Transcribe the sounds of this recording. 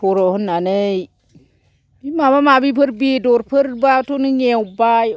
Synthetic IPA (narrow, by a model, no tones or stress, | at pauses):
oɾohunːanei | bimabamabipəɾbidoɾpəɾbatoniɲewbaj